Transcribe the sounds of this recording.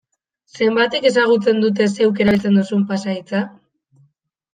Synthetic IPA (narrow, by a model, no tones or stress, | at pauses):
se̞mbat̪e̞ke̞saɣ̞ut͡se̞nd̪ut̪̬e̞se̞wk̬e̞ɾaelt͡se̞nd̪usumpasait͡sa